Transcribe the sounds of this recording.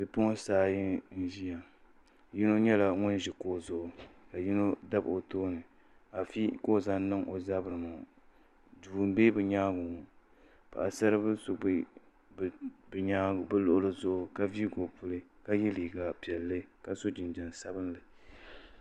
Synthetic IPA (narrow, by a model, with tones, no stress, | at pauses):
bɛ˨pʊ˦ŋ˦saː˦ji˦n̩˦ʒi˦ja˨ | ji˦no˦ɲɛ˦la˨ŋʊ˦n˦ʒɪ˨ko˦˨zʊ˨ʔʊ˨ka˨ji˦no˦da˦bo˨toː˦nɨ˨ | a˨fi˦ko˦˨za˦n˦nɨ˦ŋʔo˨za˦bɾɨ˨mʊ˨ | duː˨m˦beː˦bɨ˨ɲaː˦ɡʊ˨ŋ˨ | pa˨a˨sa˦ɾɨ˦bɨ˦so˦b | bɲa˦˨bɨ˦lʊ˦ʔʊ˦lɨ˦zʊ˦ʔʊ˨ka˦vi˦ɡo˨pʊ˦lɨ˦ka˦jɛ˦liː˨ɡa˨pi˨ɛ˨lːɨ˦ka˨so˦d͡ʒɪ˨nd͡ʒa˨nsa˦bɨ˦nlɨ˨